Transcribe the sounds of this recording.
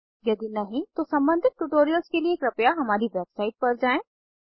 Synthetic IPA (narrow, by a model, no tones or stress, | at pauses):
jɐd̪inɐɦĩt̪osɐ̃mbə̃nd̪ʱɪt̪̚ʈuʈoːɾijəlskelieːkɾɐpjaɦɐmaːɾiʋɛːbsaːɪʈ̚pɐɾd͡ʒaːẽː